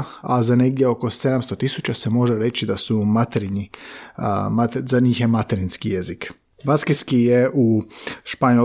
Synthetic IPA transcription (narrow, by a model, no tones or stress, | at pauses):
azane̞ɡd̪jeo̞ko̞se̞d̪amst̪o̞t̪isut͡ɕase̞mo̞ʒe̞ɾe̞t͡ɕid̪asumat̪eɾiɲi | mat̪zaɲiːxjemat̪eɾinskije̞zik | baskeskijeʔuʃpaɲo